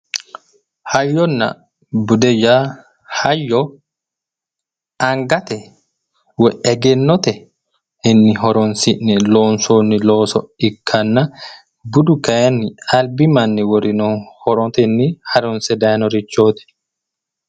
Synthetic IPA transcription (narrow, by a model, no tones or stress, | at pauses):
hajːɔnːa̰ | budɛja | hajːɔ | ʔaŋɡat̪ɛ | wɛʔɛɡɛnːɔt̪ɛ | inːiɦɔɾɔnsinːilɔnsoːnːilɔːsɔikʰːanːa | budukaanːialbimanːiwɔɾinɔhɔɾɔt̪ɛnːihaɾɔnsɛdanɔɾit͡ʃːoːt̪ɛ̥